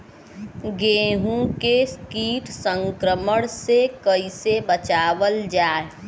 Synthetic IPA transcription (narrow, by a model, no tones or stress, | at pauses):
ɡeːɦũkeskiːʈsə̃ŋkɾəməɽ̃sekəisebət͡ʃaːʋəld͡ʒaːe